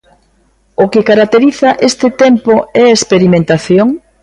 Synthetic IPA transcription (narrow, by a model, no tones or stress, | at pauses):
ʊkɪkaɾak̚t̪eɾiθaʔest̪ɪt̪empoɛɐespeɾimẽnt̪aθjoŋ